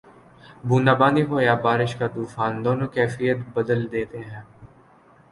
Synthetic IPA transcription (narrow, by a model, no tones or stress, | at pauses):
bʱuːnd̪aːbãːnd̪iɦoːjaːbaːɾɪʃkat̪uːfaːnd̪oːnõːkɛːfijət̪bəd̪əld̪eːt̪eɦɛ̃ː